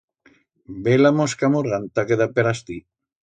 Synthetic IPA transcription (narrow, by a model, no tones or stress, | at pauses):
belamoskamuɾɣant̪akeðapeɾast̪i